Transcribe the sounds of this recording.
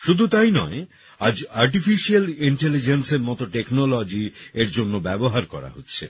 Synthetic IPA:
ʃud̪ʱut̪ajnɔe | ad͡ʑaɾʈ̬ifiʃialiɳʈelid͡ʑenseɾmɔt̪oʈeknolod͡ʑieɾd͡ʑonːobɛboɦaɾkɔ̰ɾa̰ɦotːɕʰe

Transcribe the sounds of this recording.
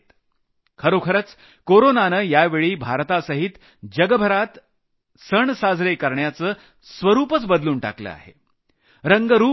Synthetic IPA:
t̪ | kʰəɾokʰəɾət͡s | koɾonanəjaʋeɭiːbʱaɾt̪asəɦit̪ | d͡ʑəɡəbʱəɾat̪ | səɳsad͡zʱɾekəɾɳjat͡səː | sʋəɾuːpət͡sbəd̪luːɳʈa̰klə̰a̰ɦḛ | ɾəŋɡəɾuː

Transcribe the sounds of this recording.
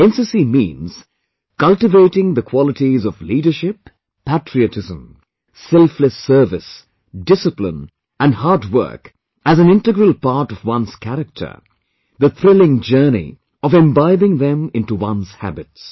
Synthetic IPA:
ɛ̃nsɨsimĩːnz̥ | kʌlˠtɨveɪɾɪ̃ŋðəkʰw̥ɑlˠətizɔvliːɾə˞ʃɪpʰː | ætɹiɨtɪzə̰̃m | sɛlˠfləsɜ˞vɪs | dɪsɨplɪ̰̃n | ɨ̃nhɑɹdwɜ̰˞k | ɨzɨ̃nɪ̃ntɨɡɹəlˠpɑɹɾʌvwʌ̃nz̥kʰæɾɨk̚tʰə̰˞ | ðɨθɾɪlˠɪ̃ŋd͡ʒɜ˞nḭ | ʌvɛ̃mbaɪvɪ̃ŋðɛ̃mɪ̃ntuwʌ̃nz̥hæ̰bɨts

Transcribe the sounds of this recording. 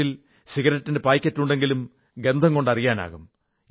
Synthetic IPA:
il | siɣɐɾɐtːinde̞paːjkʲːɐtːuɳɖe̞ŋɡilum | ɡe̞nd̪ʱɐŋko̞ɳɖɐrijaːna̰ːɣum

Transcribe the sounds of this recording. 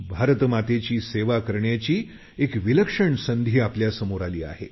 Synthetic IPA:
bʱaɾt̪mat̪et͡ɕiːseʋakəɾɳjat͡ɕiː | ekʋiləkʂəɳsənd̪ʱiːapljasəmoɾaliːa̰ɦḛ

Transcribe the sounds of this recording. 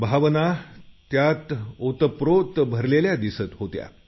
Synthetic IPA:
bʱaʋənat̪jat̪ot̪əpɾot̪bʱəɾleljad̪isət̪ɦot̪ja̰

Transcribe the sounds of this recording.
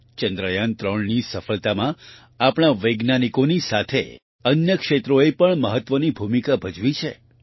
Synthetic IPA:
t͡ʃənd̪ɾəjant̪ɾəɳnisəfəlt̪amã | apɳ̃aʋəjɡnanikonisat̪ʰḛ | ənjəkʃet̪ɾoepəɳməɦət̪ːʋənibʱumikabʱəd͡ʒʋit͡ʃʰḛ

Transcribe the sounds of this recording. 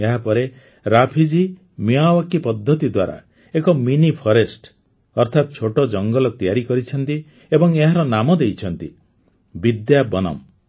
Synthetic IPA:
eɦapɔɾe | ɾapʰid͡ʒi | miawakipɔd̪ʱːɔt̪id̪waɾa̰ | ekɔminipʰɔɾesʈ | ɔɾt̪ʰat̪̚t͡ʃʰoʈɔd͡ʒɔŋɡɔlɔt̪ijaɾikɔɾit͡ʃʰɔnt̪i | ebɔŋeɦaɾɔnamɔd̪ejt͡ʃʰɔnt̪i | bid̪jabɔnɔ̰m

